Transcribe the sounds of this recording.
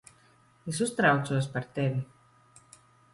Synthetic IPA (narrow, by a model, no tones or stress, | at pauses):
es̬ust̪ɾawt̪suɔspaɾt̪evʲi